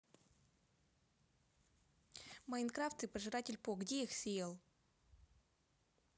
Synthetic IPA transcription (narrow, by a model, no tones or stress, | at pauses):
mɐɪnkɾaft̪ɨpəʐɨɾatʲɪlʲpoɡdʲeixsʲɪjelˠ